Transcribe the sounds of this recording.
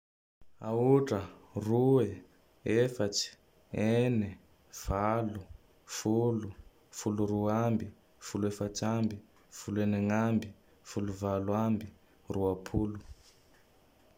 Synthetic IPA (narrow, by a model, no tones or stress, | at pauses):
a̰uʈ͡ʂʼaruwɛ | ɛfat͡ʃi̥ | ɛnɛ | v̥alu | fulu | fuluruwambi | fuluɛfat͡ʃʰʼambi | fuluɛnɛŋambi | fuluvalwambi | ruwapʰuːlu